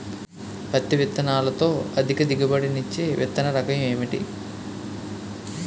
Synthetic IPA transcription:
pɐt̪ːiʋit̪ːɐnaːlɐt̪o̞ːɐd̪ʱikɐd̪iɡɐbɐɽinit͡ʃːeːʋḭt̪ːɐnɐɾɐkɐjɐme̞ːmiʈḭ

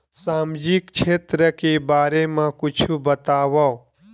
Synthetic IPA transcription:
saːmd͡ʒikt͡ʃʰeːt̪ɾəkebaːɾemãkʊt͡ʃʰubət̪aːʋa

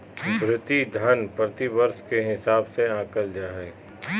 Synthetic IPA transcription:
mɾɪt̪id̪ʱənpɾət̪ibəɾskeɦɪsaːbseãːkəld͡ʒaːɦɛː

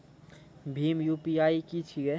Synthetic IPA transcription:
bʱimjupiaikit͡ʃʰie

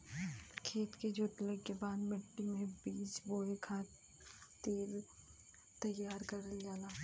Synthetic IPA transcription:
kʰeːt̪ked͡ʒoːt̪lekːebaːd̪mɪʈːimẽbiːt͡ʃboːekʰaː | t̪iɾ | t̪ɐjːaːɾkɐɾəljaːlaː

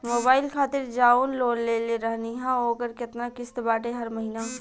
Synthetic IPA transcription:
moːbaːɪlkʰaːt̪ɪɾd͡ʒaːuːnloːnleleɾɐɦniɦãoːkəɾkɪt̪nakɪst̪baːʈeɦɐɾmɐɦiːnaː

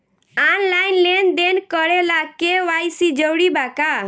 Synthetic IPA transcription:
anlaɪnlend̪enkəɽelakeʋajsid͡ʒəwɽibaka

